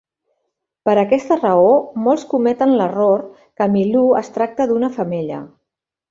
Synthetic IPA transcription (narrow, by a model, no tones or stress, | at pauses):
pəɾəkɛst̪ərəomoɔlˠskumɛt̪ənləroɾ | kəmiluə̰st̪ɾak̚t̪əðunəfəmeʎə̰